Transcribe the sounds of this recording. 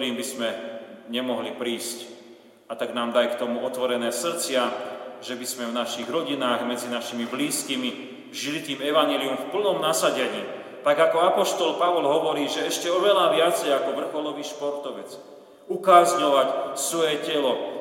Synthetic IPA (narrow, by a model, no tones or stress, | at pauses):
ɾiːmbismɛɲɛmɔɦlipɾiːsc | at̪aɡnaːmd̪ajkt̪ɔmuɔt̪ʋɔɾɛnɛːsr̩t͡sɪaʒɛbismɛvnaʃiɣɾɔɟinaːɣmɛd͡zinaʃimibliːskimi | ʒilit̪iːmɛʋaɲɛliumfpl̩nɔmnasaɟɛɲiː | t̪aɡakɔapɔʃt̪ɔlpaʋɔlɦɔʋɔɾiːʒɛɛʃcɛɔʋɛlaːʋɪat͡sɛjakɔʋr̩xɔlɔʋiːʃpɔɾt̪ɔʋɛt͡s | ukaːzɲɔʋacsʋɔjɛcɛlɔ